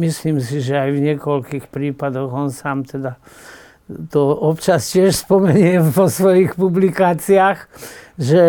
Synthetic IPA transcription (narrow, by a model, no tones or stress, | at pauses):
misliːmsiʒɛajvɲɪɛkɔlkiːxpɾiːpad̪ɔɣɔnsaːmt̪ɛd̪a | t̪ɔɔpt͡ʃascɪɛʃspɔmɛɲɪɛʋɔsʋɔjixpublikaːt͡siaːxʒɛ